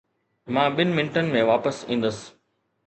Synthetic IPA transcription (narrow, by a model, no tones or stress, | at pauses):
mãːɓɪnmɪ̃nʈənmẽːʋaːpəsḭ̃ːn̆d̪əs